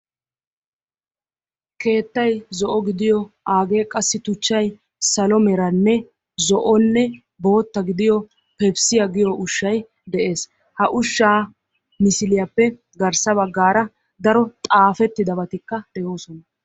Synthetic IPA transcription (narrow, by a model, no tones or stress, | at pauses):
ke̞ːt̪ːɐjzɔʔɔɡɪd̪ɪjɔʔaːɡe̞ːkʼɐsːɪt̪ʊt͡ʃːɐj | sɐlɔmɛɾɐnːɛ | zɔʔɔnːɛ | bo̞ːt̪ːɐɡɪd̪ɪjɔ | pɛbsɪjɐɡɪjɔʔʊʃːɐj | d̪ɛʔe̞ːs | hɐʔʊʃːaː | mɪsɪlɪjɐpːɛ | ɡɐɾsɐbɐɡːaːɾɐ | d̪ɐɾɔt̪ʼaːfɛt̪ːɪd̪ɐβɐt̪ɪkːɐd̪̥ɛjo̞ːsɔnɐ